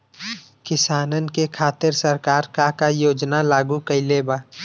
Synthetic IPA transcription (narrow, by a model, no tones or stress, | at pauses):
kɪsaːnənkekʰaːt̪ɪɾsəɾkaːɾkakajoːd͡ʒnalaːɡũkəileːbaː